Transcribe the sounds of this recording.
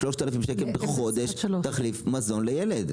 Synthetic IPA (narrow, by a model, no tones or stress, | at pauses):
ʃloʃt̪alafimʃekelbeχo̞d̪eʃt̪aχlifmazo̞nlejeled̪